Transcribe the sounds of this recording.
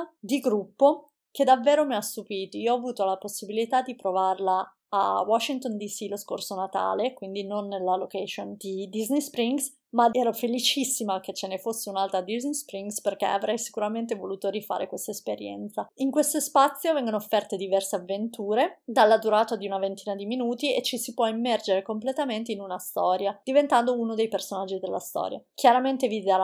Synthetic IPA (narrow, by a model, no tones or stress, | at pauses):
d̪iɡɾupːo | ked̪avːeːɾomiast̪ːupiːt̪oioɔaːvuːt̪olaposːibilit̪ad̪ːipɾovarlaː | wɔʃːint̪ond̪isilosko̰rsonat̪a̰ːlekwind̪inonːelːalokɛʃond̪id̪iznispɾiŋɡs | maɛːɾofelit͡ʃisːimaket͡ʃːenefosːeunalt̪ɾad̪iznispɾiŋɡsperkḛa̰vɾʔɛjsi̥kuɾament̪̬evoluːt̪oɾifa̰ːɾḛkwest̪aespeɾjɛ̰nt̪saiŋkwest̪ospat̪sːjovɛŋɡonoːfːɛrt̪ed̪ivɛrseavːent̪uːɾed̪alːad̪uɾaːt̪ad̪iunavent̪iːnad̪iminuːt̪iet͡ʃisipwɔemːɛrd͡ʒeɾekomplet̪ament̪einunast̪ɔːɾjad̪̥ivent̪and̪ounod̪ejpersonad͡ʒːid̪elːa̰st̪ɔ̰ːɾja̰kjaɾament̪evid̪aɾa